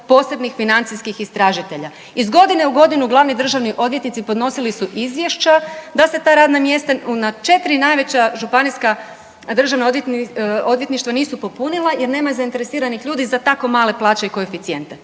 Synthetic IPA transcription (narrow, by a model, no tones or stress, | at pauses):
po̞ːse̞bnixfinant̪siskixist̪ɾaːʒit̪e̞ʎa | izɡo̞d̪ine̞uɡo̞d̪inuɡlˠaʋnid̪r̩ʒaʋniʔo̞d̪ʋjet̪nit̪sipo̞d̪no̞silisuʔizʋje̞ʃt͡ɕad̪ase̞t̪aːɾaːd̪namje̞st̪aunat͡ʃe̞t̪ɾinajʋe̞t͡ɕaʒupaniska | d̪r̩ʒaʋnaod̪jt̪o̞d̪ʋjet̪niʃt̪ʋaniːsupo̞punilˠajeɾne̞ːmazaint̪e̞ɾesiːɾanixʎuːd̪izat̪ako̞maːle̞plˠaːt͡ɕaiko̞efit̪sie̞nt̪e